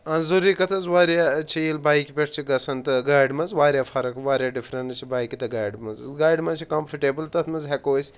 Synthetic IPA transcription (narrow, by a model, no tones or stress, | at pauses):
ɐnzuɾiːkɐt̪ʰɐzʋaːɾjat͡ʃʰiilbaːjkipʲeʈʰt͡ʃʰiɡɐsɐnt̪ɐɡaːjɖmɐnzʋaːɾjaːfʰɐɾɐkʋaːɾʲjaːɖifɾɐnt͡ʃʰibaːjkit̪ɐɡaːjɖmɐzɡaːjɖmɐt͡ʃʰikɐmfʰɐʈeːbɨlt̪ɐt̪ʰmɐzɦekoːsʲ